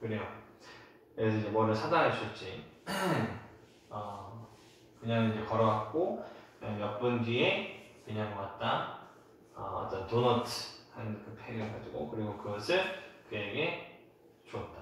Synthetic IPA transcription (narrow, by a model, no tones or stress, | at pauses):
kɯɾeo | esʰʌid͡ʑemʌɾɯsʰadaɦat͡ɕʰiɭ̚t͡ɕ͈i | ʌ | kɯɲaŋid͡ʑe̞kʌɾʌɡak̚k͈okɯɲaŋjʌp͈ɯnɡiekɯɲaŋʌkat̚t͈a | ʌ̰tʌtonʌtʰhannkɯpʰeɡɯɭɡad͡ʑuɡo̰kɯɾiɡokɯɡʌsʰɯɭkɯeɡe̞ | t͡ɕuʌt̚t͈ḁ